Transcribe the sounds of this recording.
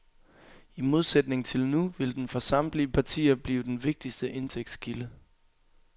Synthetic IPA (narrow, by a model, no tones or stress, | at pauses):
imo̝ð̞ˠsed̥ne̝ŋt͡sʰe̝lnuʋe̝ld̥enfɒ̽sɑ̈m̰liəpʰɑ̈t͡sʰḭːɐb̥liːʊd̥enʋe̝ɡ̥̚d̥isd̥əʔe̝nt͡sʰeɡ̥̚d̥skʰilə